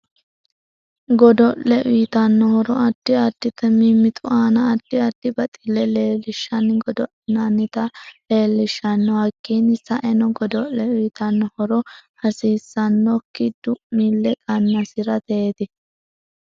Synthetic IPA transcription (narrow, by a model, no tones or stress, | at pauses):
ɡɔd̪ɔʔɛʔʊjɪt̪ɐnːɔhɔɾɔɐd̪̥ːɪɐd̪̥ːɪt̪ːɛmimːɪt̪ʼʊʔaːnɐːd̪̥ːɪɐd̪̥ːɪbɐt̪ʼɪlːɛleːlːɪʃːɐnɡɔd̪ɔʔnɐnːɪt̪ɐle̞ːlːɪʃːɐnːɔhɐkːinɪsɐʔɛnɔɡɔd̪ɔʔːɛʊjt̪ɐnːɔhɔɾɔhɐsiːsːɐnːɔkːɪd̪̥ʊmːilːɛkʼɐnːɐsɪɾɐt̪eeːd̪ɪ